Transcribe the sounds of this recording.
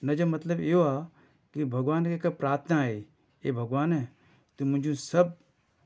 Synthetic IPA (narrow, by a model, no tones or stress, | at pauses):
nɐd͡ʒɐmɐt̪ləbeoaː | kibʱɐɡʋaːnkekapɾaːɾt̪ʰənae | ebʱɐɡʋaːnɦɛ | t̪umʊ̃ɲd͡ʒũsɐb̚